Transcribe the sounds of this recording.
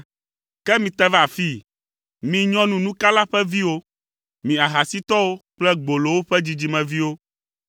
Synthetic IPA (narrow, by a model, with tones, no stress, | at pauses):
kɛ˦mĩ˨t̪ɛ˦va˨fi˦ | mĩ˨ɲɔ̃˦nũ˨nũ˦ka˦la˦ɸɛ˦vi˦wo˦ | mĩ˨a˨ɦa˨si˦t̪ɔ˦wo˦k͡plɛ˦ɡ͡bo˨lo˨wo˦ɸɛ˦d͡ʑi˨d͡ʑi˨mɛ̃˨vi˦wo˦